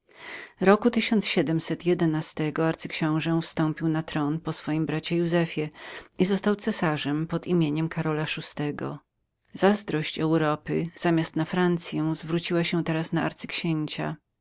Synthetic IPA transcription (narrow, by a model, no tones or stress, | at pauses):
ɾɔkut̪ɘɕɔnt̪sɕɛd̪ɛmsɛt̪jɛd̪ɛnast̪ɛɡɔaɾt̪sɘkɕɔ̃w̃ʐɛ̃fst̪ɔ̃mpʲiwnat̪ɾɔnpɔsfɔjimbɾat͡ɕɛjuzɛfʲjɛizɔst̪awt̪sɛsaʐɛmpɔd̪imʲjeɲɛmkʰaɾɔlaʂust̪ɛɡɔ̰ | z̥azd̪ɾɔɕt͡ɕɛwɾɔpɘz̥amʲjast̪nafɾant̪sʲjɛw̃zvɾut͡ɕiwaɕɛt̪ɛɾasnaa̰ɾt̪sɘ̥kɕeɲt͡ɕa̰